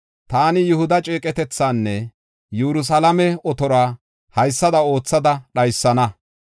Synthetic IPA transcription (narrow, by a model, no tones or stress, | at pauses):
t̪aːnɪjʊhʊd̪ɐt͡ʃʼeːkʼɛt̪ɛt͡sːaːnːɛ | jɛɾʊs̬ɐlɐmɛɔt̪ɔɾaː | hɐjsːɐd̪ɐo̞ːt͡sːɐd̪ɐɗɐjsːɐnɐ